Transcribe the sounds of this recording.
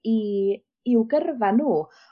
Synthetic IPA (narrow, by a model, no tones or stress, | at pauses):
i | ɪwɡərvanuː